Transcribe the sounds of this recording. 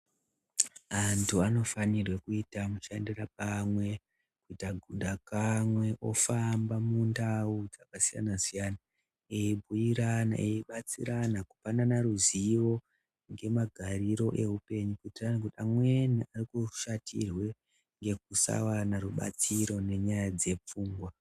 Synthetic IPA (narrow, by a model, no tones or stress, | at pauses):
antʰuano̞fanirwekuitamuʃandirap̚amwe̞ | kuitaɡʱundʱakamwe̞ʔo̞fambamundaud͡zakasija̰nasijana | eibʱujiɾana̰ʔeiɓat͡sḭɾanaku̥pananaɾuziwo̞ | ŋɡe̞maɡʱaɾiɾo̞ʔe̞ɦupe̞ɲukuitiranak̬utamweniarikuʃatʰḭrwe̞ | ŋɡe̞k̚usa̰wanaruɓa̰t͡siɾo̞ne̞ɲajad͡ze̞p͡fuːŋɡwa